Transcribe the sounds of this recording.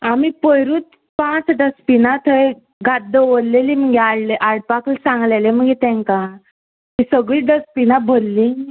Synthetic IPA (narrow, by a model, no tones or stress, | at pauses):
amipəjɾuːt̪ | pãt͡sɖəspinat̪ʰəe | ɡad̪ːəʋəɾlelim̤əŋɡeaɽleʔaɽpaklsãŋɡlelem̤əŋɡet̪ɛ̃ŋka | tisəɡɭiːɖəspinabʱəlːĩ